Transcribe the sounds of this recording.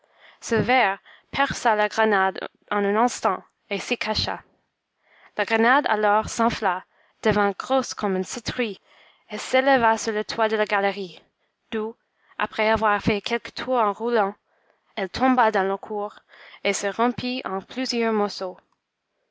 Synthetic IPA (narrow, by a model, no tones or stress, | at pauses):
səvɛʁ | pʰɛʁsalaɡʁənad | ɑ̃nɛ̃nɛ̃st̪ɑ̃ | esəkʰaʃa̰ | laɡʁənad̪a̰lɔʁsɑ̃fla | d̪̥əvɛ̃ɡʁoskʰɔ̃mỹnsit̪ʁi | eseləvasuʁlət̪ʰwad̪əlaɡaləʁi | d̪̥u | a̰pχɛavwaʁfɛkʰɛlkə̥t̪ʰuʁɑ̃ʁulɑ̃ | ɛlt̪ʰɔ̃bad̪ɑ̃ləkʰuːʁesəʁɑ̃piɑ̃pʰlyzjœʁmɔʁso